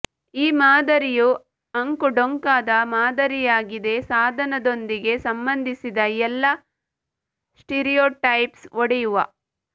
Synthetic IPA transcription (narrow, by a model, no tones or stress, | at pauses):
iːmaːd̪ɐɾiju | ɐŋkuɖoŋkaːd̪ɐmaːd̪ɐɾijaːɡid̪e̞saːd̪ʱɐnɐd̪o̞nd̪iɡe̞sɐmbɐnd̪ʱisid̪ɐɛlːɐ | sʈeːɾijoːʈɐjpsoɽɛjuʋɐ̰